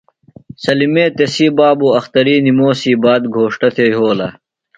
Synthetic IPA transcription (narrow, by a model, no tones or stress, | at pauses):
sɐlimẽːt̪esiːbaːbuːɐxt̪ɐɾiːnimoːsiːbaːd̪ɡʱoːʂʈɐt̪ʰeːɦoːlɐ